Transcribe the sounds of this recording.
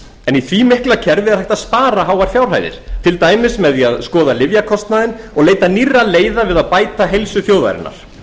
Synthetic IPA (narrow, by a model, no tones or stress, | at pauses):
ɛniθvimɪhklacʰɛɾvɪðaɾhajht̪aðspaːɾaɦawaɾ̥fjawr̥ɦa̰jðɪ̰ɾ̥t̪ʰɪlt̪aːjmɪsmɛðiaðskɔːðalɪvjakʰɔst̪naðɪnɔɣleːjt̪anirːaleːjðavɪðaðpaːjt̪aɦejlsʏfjoːwða̰jɾɪ̰nːa̰ɾ̥